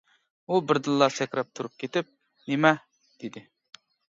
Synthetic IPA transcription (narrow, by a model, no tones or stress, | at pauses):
ubɪɾd̪ɨlˠːɑsɛkʲɾɛp̚t̪ʰuɾup̚kʲʰet̪ɪp̚ | nemɛ | d̪̥ed̪ɪ